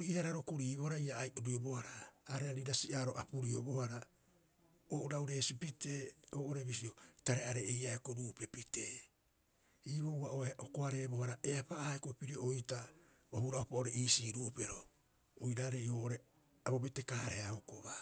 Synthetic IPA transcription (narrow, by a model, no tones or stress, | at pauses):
ɾiihaɾaɾokuɾiːβoɾajaːjʔuɾuobohaɾaːɾeaɾiɾasiʔaːɾo̞ʔapuɾiobo̞haɾa | oʔuɾawɾe̞ːsipite̞ːoːʔoɾeβisio̞taɾeaɾeːjaekoɾuːpe̞pite | iːβowβaʔoʔokoaɾe̞ːbo̞haɾaeapaːhaekoepiɾioʔojta | ohuɾaopaʔoɾeiːsiːɾupe̞ɾo̞ | ojɾaːɾeioːʔoɾe | abobete̞kahaɾeaokoβa